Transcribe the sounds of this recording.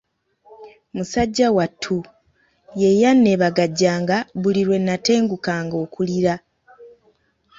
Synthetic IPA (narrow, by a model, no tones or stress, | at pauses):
musaɟːawatʰːu | jejanːe̞ːβaɡaɟːaːŋɡaβuliɾwe̞nːate̞ːŋɡukaːŋɡo̞ːkuliɾa